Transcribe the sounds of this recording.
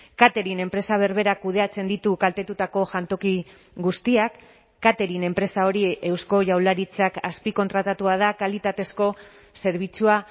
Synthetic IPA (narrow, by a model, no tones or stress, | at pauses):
kat̪e̞ɾine̞mpɾe̞saβ̞e̞ɾβe̞ɾakuð̞e̞at͡se̞nd̪it̪ukalt̪e̞t̪ut̪ako̞ʝant̪o̞ki | ɣust̪iakː | at̪e̞ɾine̞mpɾe̞sao̞ɾie̞wsko̞ʝawlaɾit͡sakaspiko̞nt̪ɾat̪at̪uað̞akalit̪at̪e̞sko̞ | se̞ɾβ̞it͡sua